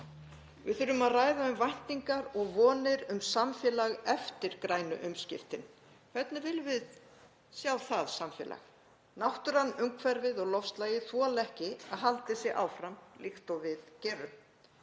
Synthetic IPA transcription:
vɪ̰ðθʏɾʏmaðraːjðaʏmvajn̥t̪iŋkaɾɔɣvɔːnɪɾʏmsamfjɛːlaɣɛft̪ɪɾ̥kɾaːjnʏ̰ʔʏmscɪ̰ft̪ɪn | kʰv̥ɛt̪nɪvɪlvɪð | sjaːwθaðsamfɛ̰ːlʔa̰x | nawht̪ʏɾ̥hanːʏŋkʰvɛɾvɪðɔɣlɔfst̪lajɪθvualɛhcɪaðɦalt̪ɪsɪʔa̰wfɾamlʔixt̪ɔwvɪðcɛːɾʏm

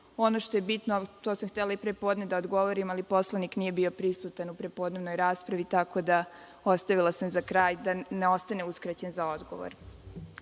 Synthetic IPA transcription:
o̞noʃt̪o̞jebit̪not̪osamxt̪elaipɾepo̞ːd̪ned̪aod̪ɡo̞ʋo̞ɾimalipo̞slˠaniknije̞bio̞pɾisut̪anupɾe̞po̞d̪ne̞ʋno̞jɾaːspɾaʋit̪ako̞d̪a | o̞st̪aʋilˠasamzakɾaːjd̪aneo̞st̪aneuskɾat͡ɕe̞nzao̞d̪ɡo̰ʋo̰ɾ

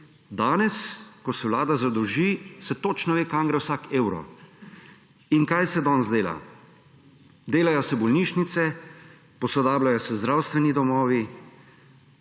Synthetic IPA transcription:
d̪aːnɛskɔsɛwlaːd̪azad̪ɔʒisɛt̪ot͡ʃnɔʋeːkaŋɡɾawsakeːwɾɔ̰ | iŋkajsɛd̪ɔnzd̪eːla̰ | d̪eːlajɔsɛbɔlniːʃnit̪sɛ | pɔsɔd̪aːblajɔsɛzd̪ɾawst̪ʋɛnid̪ɔmɔːʋi

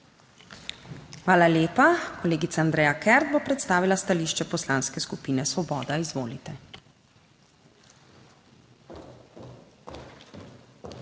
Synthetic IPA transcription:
xʋaːlaleːpakɔleːɡit̪saːnd̪ɾɛːjakɛɾd̪̚bɔpɾɛt̪st̪aːʋilast̪aliːʃt͡ʃɛpɔslaːnskɛskupiːnɛsʋɔbɔːd̪aizʋoːlit̪ɛ

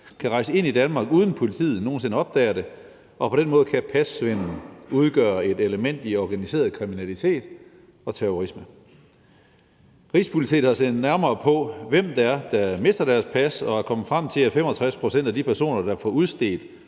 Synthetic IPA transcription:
kʰæʁɑ̈ɪsəe̝n̰id̥ænmɑ̈ːɡ̥uːð̞ˠn̩pʰo̝lit͡sʰḭːð̩ˠno̝ːnse̝nəɒ̽b̥̚d̥ɛ̰ːɐɾe̝ | ʔɒ̽pʰɒ̽ɾ̥enmɔ̽ːð̞̩ˠkʰæpʰæsʋenn̩uð̞ˠɡ̥œ̰ːɐe̝d̥eləmen̰d̥iɒɡ̥ænise̝̰ːɐðˠkʰʁiminælit͡sʰe̝̰ːd̥ | ɒ̽t͡sʰeɔʁismə | ʁḭːspʰulit͡sʰḭːhɑ̈send̥næɐmɐːpʰɒ̽ʋem̰d̥ɑæɐd̥ɑme̝sd̥ɐɾ̥æɐspʰæsɒ̽æɐkʰɒ̽mð̩ˠfʁam̰t͡sʰe̝læ̥fem̰ɒt͡sʰʁaspʰʁo̝sen̰d̥æd̥ipʰæɐso̝̰ːnɐd̥ɑ̈fɒuðˠsd̥e̝̰ːd̥

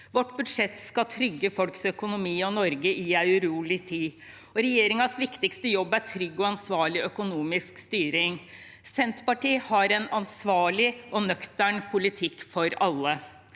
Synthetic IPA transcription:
ʋɔʈːbʉd̪ʂɛt̪skɑt̪ʰɾʏɡːəfɔlksœkʊnʊmiːɔnɔɾɡəʔɪæɪʉɾuːlɪt̪ʰiː | ɔɾɛjeːɾɪŋɑsʋɪkt̪ɪkst̪əjɔbːæɾʈʰɾʏɡːɔɑnsʋɑːɭɪʔœkʊnuːmɪskst̪yːɾɪŋ | sɛnt̪pɑʈiːhɑɾɛnɑnsʋɑːɭɪʔɔnœkt̪æɳpʰʊlɪt̪ʰɪkːfɔɾɑlːə

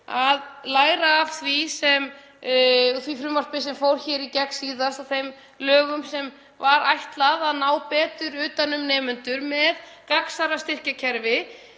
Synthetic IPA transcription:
aðlaːjɾaːv̥θvisɛm | θvifɾʏmːar̥spɪs̬ɛmfowɾ̥çɛːɾicɛksiːðast̪awθejm | lœːɣʏmsɛm | vaɾajht̪laðaðnaːwpɛːt̪ʏɾʏːt̪anʏmnɛːmʏnt̪ʏɾmɛðkaksaɾast̪ɪr̥cacʰɛɾvɪ

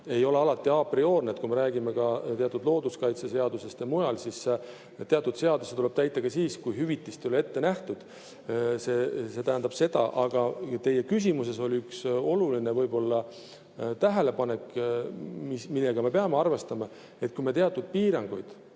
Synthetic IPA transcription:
e̞jo̞le̞ɑlɑt̪ːˑiɑpɾio̞ːɾnet̪kujmeɾæːɡimekɑt̪e̞ɑt̪ːˑud̪lo̞ːd̪uskɑjt̪sese̞ɑd̪use̞st̪emujɑlsis | t̪eɑt̪ːˑud̪̥se̞ɑd̪uset̪ule̞b̥̚t̪æjt̪ˑːɑɡ̥ɑsiːskujɦyvit̪ːˑist̪ejolee̞t̪ːe̞næht̪ud̪̥ | se̞se̞t̪æɦænd̪ɑb̥se̞d̪ɑ̰ʔɑɡ̥ɑt̪e̞je̞kys̬imus̬e̞so̞lʲiykso̞lulinevɤjbo̞lːɑ | t̪æɦæle̞pɑne̞kː | mimilːeɡ̥ɑme̞pe̞ɑmeɑrve̞st̪ɑmɑ | e̞t̪̚kujme̞t̪eɑt̪ːˑud̪̥̚piːɾɑŋɡ̥ujd̪̥

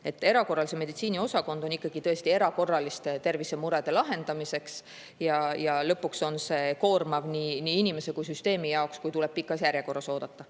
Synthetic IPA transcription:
et̪ːˑe̞ɾɑko̞rːɑliseme̞d̪it̪siːnio̞sɑko̞nd̪̥oikˑːɑɡ̥it̪ɤ̞e̞st̪ie̞ɾɑko̞rːɑlist̪t̪e̞rvise̞muɾe̞d̪̥e̞lɑɦe̞nd̪̥ɑmise̞ks | jɑjɑlɤpːukso̞nse̞ko̞ːrmɑvniniinime̞sekujsyst̪e̞ːmijɑokskujt̪ulɛb̥̚pikːˑɑsjæɾjeko̞rːɑso̞ːd̪̥ɑt̪ːˑɑ

